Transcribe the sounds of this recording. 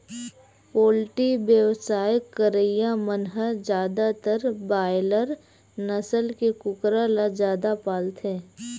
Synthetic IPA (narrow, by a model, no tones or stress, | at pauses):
poːlʈibjəwsaːjəkːəɾəijamənɦəd͡ʒjaːd̪at̪əɾbaːɪləɾ | nɐsəlkekʊkɾalad͡ʒjaːd̪apaːlt̪ʰẽː